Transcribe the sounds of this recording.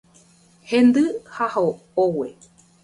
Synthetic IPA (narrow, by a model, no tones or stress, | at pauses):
hẽnd̪ɨhaho | owe